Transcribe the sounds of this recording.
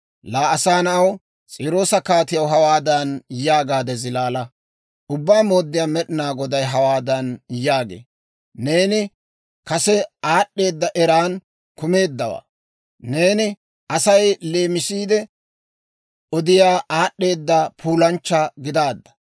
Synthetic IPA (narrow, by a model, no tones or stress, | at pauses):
laːɐsaːnɐɐw | t͡sʼiːɾo̞ːsɐkaːt̪ɪjɐwɦɐwaːd̪ɐnjaːɡaːd̪ɛzɪlaːlɐ | ʔʊbːaːmo̞ːd̪ːɪjaːmɛɗɪnaːɡɔd̪ɐjɦɐwaːd̪ɐnjaːɡḛː | ne̞ːnɪ | kɐsɛaːɗːe̞ːd̪ːɐʔɛɾaːn | kʊme̞ːd̪ːɐwa̰ː | ne̞ːnɪ | ɐsɐjle̞ːmɪsiːd̪ɛ | ɔd̪ɪjaːʔaːɗːe̞ːd̪ːɐpʰuːlɐnt͡ʃːɐɡɪd̪aːd̪ːɐ̥